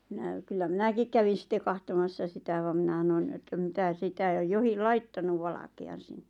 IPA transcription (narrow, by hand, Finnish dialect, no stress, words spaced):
minæ kylːæ minækik kæʋin̞ sitːe kɑhtomɑsːɑ sitæ ʋɑm minæ s̆ɑnon etːæ mitæ sitæ jo johil lɑitːɑnuʋ ʋɑlɑkeɑn sinːe̥